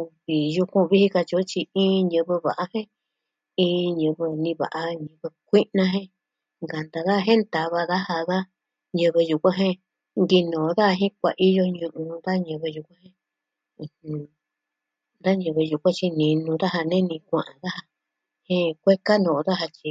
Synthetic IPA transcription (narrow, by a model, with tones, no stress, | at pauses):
u˧βi˨ju˧kʷũ˦˧βi˦hi˧ka˧t͡ʃi˧o˦t͡ʃi˧ĩː˦ɲɨ̃˧βɨ˧βa̰˨ʔa˧hẽ˦ | ĩ˧ɲɨ̃˧βɨ˧nĩ˧βa̰˨ʔa˧ɲɨ̃˧βɨ˧kʷi˦nã˧ɦẽ˦ | ŋɡa˨nd̪a˧ða˦˧ɦẽ˦nt̪a˨˧βa˧ða˦ha˧ða˦ | ɲɨ̃˧βe˧ju˧kʷã˦ɦẽ˦ | ŋɡi˧nõ˨˧˦ða˦a˧ɦĩ˦k̚ʷa˨˧ʔi˦jo˧ɲũ˧ʔũ˧nd̪a˦ɲɨ̃˧βe˧ju˧kʷã˦hẽ˦˧˨ | hũ˧ | nd̪a˦ɲɨ̃˧βe˧ju˧kʷã˦t͡ʃi˧nĩ˧nũ˧ða˦ɦa˧nẽ˦nĩ˧kʷã̰˨ʔã˨ða˦ha˧ | hẽ˦˧kʷe˦ka˦nõ˨˧ða˦ɦa˧t͡ʃi˧